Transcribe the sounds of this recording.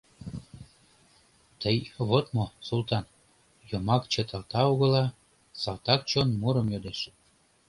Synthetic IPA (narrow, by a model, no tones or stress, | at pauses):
t̪əjβot̪mosult̪ɑn | jomɑkt͡ɕet̪ɑlt̪ɑuɣə̆lɑ | sɑlt̪ɑk̚t͡ɕonmuɾəmjod̪eʃə̥